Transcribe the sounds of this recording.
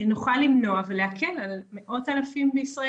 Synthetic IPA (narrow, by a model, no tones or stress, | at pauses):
nuχalːimno̞aveleakʰelalme̞ʔo̞thalafimbeisʁa